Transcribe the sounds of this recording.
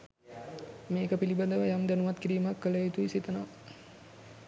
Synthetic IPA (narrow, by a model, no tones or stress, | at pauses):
meːkəpilibad̪əʋəjamd̪ænuʋat̪kiɾiːmakːələet̪uisit̪ənaʋ